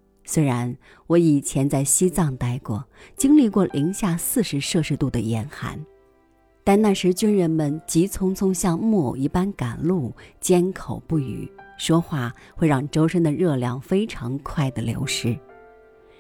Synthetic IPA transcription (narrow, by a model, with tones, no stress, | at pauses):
swe˥ɪɻa˧˥n | wɔ˧˥i˨˩t͡ɕʰjɛ˧˥nt͡sa˥˩ɪɕi˥t͡sɑ˥˧˩ŋt̪a˥ɪkwɔ˥˩t͡ɕi˥ŋli˥˧kwɔ˥˩lʔi˧˥ŋɕja˥˧sɹ̩˥˩ʂɻ̩˧˥ʂɤ˥˧ʂɻ̩˥˧t̪u˥˩d̪ə˩jɛ˧˥nxa̰˧˥n | t̪a˥˧nna˥˩ʂɻ̩˧˥t͡ɕy˥nɻə˧˥nmə˨nt͡ɕi˧˥t͡sʰʊ˥ŋt͡sʰʊ˥ŋɕjɑ˥˧ŋmwɔ˥˩i˥˧˩pa˥nka˨˩nlu˥˩t͡ɕjɛ˥nkʰo˨˩ʊpu˥˩y̰˨˩˦ʂwɔ˥xwa˥˩ | xwe˥˧ɪɻɑ˥˩ŋʈ͡ʂo˥ʊʂə˥ŋd̪ə˨ɻɤ˥˧ljɑ˥˩ŋfe˥ɪʈ͡ʂʰɑ˧˥ŋkʰwa˥˩ɪd̪ə˩ljo̰˧˥ʊʂɻ̩˥